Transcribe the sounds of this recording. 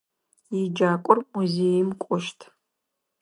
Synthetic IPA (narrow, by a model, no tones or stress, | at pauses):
id͡ʒakʷʼʊrmuzejimkʷʼʊʃtʰʼ